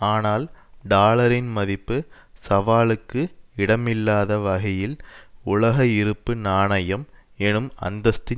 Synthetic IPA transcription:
aːnaːlɖaːlɐɾɪnmɐðɪpːɯ | sɐʋaːlɯkːɯɪɽɐmɪlːaːðɐʋɐɣɐjɪlʊɭɐɣɐɪɾɯpːɯnaːɳɐjɐmɛnɯmɐ̰nd̪ɐst̪ɪ

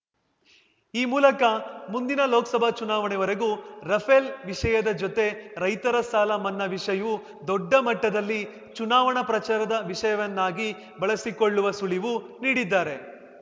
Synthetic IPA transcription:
iːmuːlɐkɐmund̪inɐloːkɐsɐbʱɐt͡ʃunaːʋɐɳɛʋɐɾeɡuɾɐpʰelʋiʂɐjɐd̪ɐd͡ʒɔt̪e̞ɾɐjt̪ɐɾɐsaːlɐmɐnːɐʋiʂɐjɐu | d̪ɔɖːɐmɐʈːɐd̪ɐlːi | t͡ʃunaːʋɐɳɐpɾɐt͡ʃaːɾɐd̪ɐʋiʂɐjɐʋɐnːaːɡi | bɐɭɐsikoɭːuʋɐsuɭiʋuniːɽid̪ːaːɾe̞

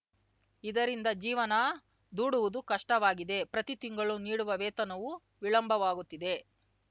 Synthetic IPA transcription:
id̪ɐɾind̪ɐd͡ʒiːʋɐnɐ | d̪uːɽuʋud̪ukɐʂʈɐʋaːɡid̪e̞pɾɐt̪it̪iŋɡɐɭuniːɽuʋɐʋɛːt̪ɐnɐʋu | ʋiɭɐmbʱɐʋaːɡut̪ːid̪e̞

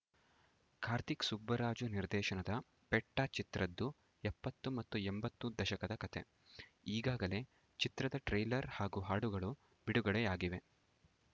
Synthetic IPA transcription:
kʰaːɾt̪iksubːɐɾaːd͡ʒuniɾd̪ɛːʃɐnɐd̪ɐ | pɛʈːɐt͡ʃit̪ɾɐd̪ːu | ɛpːɐt̪ːumɐt̪ːuɛmbɐt̪ːud̪ɐʃɐkɐd̪ɐkɐt̪ʰe | iːɡaːɡɐle̞ | t͡ʃit̪ɾɐd̪ɐʈɾɐjlɐɾhaːɡuɦaːɽuɡɐɭu | b̥iɽuɡɐɭejaːɡiʋe̞

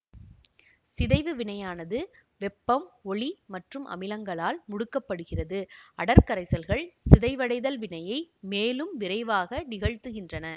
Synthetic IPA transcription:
sɪðɐɪʋɯʋɪɳɐjaːnɐðɯʋɛpːɐmɔɭimɐʈrɯmʔɐ̰mɪlɐŋɡɐɭaːlmʊɽɯkːɐpːɐɽɯɣɪrɐðɯʔɐɽɐɾkɐɾɐɪsɐlɣɐɭsɪðɐɪʋɐɽɐɪðɐlʋɪɳɐjɐɪmeːlɯmʋɪɾɐɪʋaːɣɐnɪɣɐɻt̪ɯɣɪndrɐnɐ

